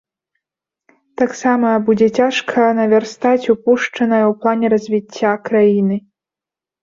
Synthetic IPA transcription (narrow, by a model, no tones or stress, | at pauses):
t̪aksamɐbud͡zʲɛt͡sʲaʂkʰɐnɐvʲarst̪at͡sʲupuʂt͡ʂɐnɐjɐwplˠanʲɛɾɐzʲvʲit͡sʲːakɾajinɨ